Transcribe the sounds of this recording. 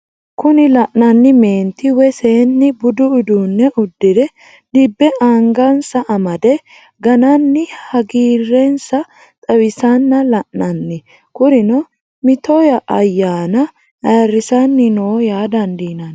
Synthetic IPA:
kʊnɪlɐʔnɐnːɪme̞ːnt̪ːɪwɛseːnːɪbʊd̪ʊʊd̪uːnːɛʔʊd̪ːɪd̪ɛ | d̪ɪbːɛʔaŋɡɐnsɐʔɐmɐd̪ɛ | ɡɐnɐnːɪhɐɡiːrːɛnsɐ | t̪ʼɐwɪsɐnːɐlɐʔnɐnːɪ | kʊɾɪnɔ | mɪt̪ɔjɐʔɐjːaːnɐ | ɐːrːɪsɐnːɪnoːjaːd̪ɐnd̪iːnɐn

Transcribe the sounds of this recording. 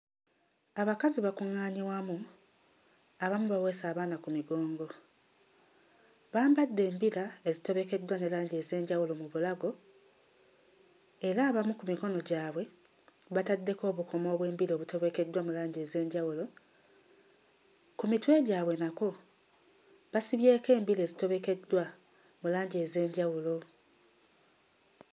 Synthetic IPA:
aβakaziβakuŋːaːɲiwamu | aβamuβawe̞saːβaːnakumiɡo̞ːŋɡo̞ | βaːmbadːe̞ːmbiɾaezito̞βe̞ke̞dːwane̞laːɲɟe̞ze̞ːɲɟawulo̞muβulaɡo̞ | e̞ɾaːβamukumiko̞no̞ɟaːβwe̞ | βatadːe̞ko̞ːβukʰo̞mo̞ːβwe̞ːmbileoβuto̞βe̞ke̞dwamulaːɲɟeze̞ːɲɟawulo̞ | kumitwe̞ɟaːβwe̞nako | βasiβje̞ːke̞ːmbile̞ːzito̞βe̞ke̞dːwa | mulaːɲɟe̞ːze̞ːɲɟawulo̞

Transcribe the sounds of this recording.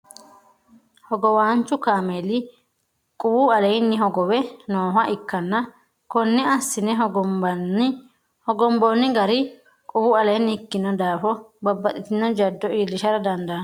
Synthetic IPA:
hɔɡɔwaːnt͡ʃːʊkaːmelɪ | kʼʊwuɐlejnːɪɦɔɡɔwɛnoːɦɐʔɪkːɐnːɐ | kɔnːɛɐsːɪnɛɔɔn | hɔɡɔmbɔnːɪɡɐɾɪ | kʼʊwɐlɛjnːɪhɪkːɪnːɔd̪aːfɔbɐbːɐt̪ʼɪt̪ɪnːɔd͡ʒɐd̪ːɔʔiːlɪʃɐɾɐd̪ɐnd̪ɐn

